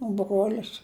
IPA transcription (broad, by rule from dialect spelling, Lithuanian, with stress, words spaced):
oː ˈbruɔlʲɪs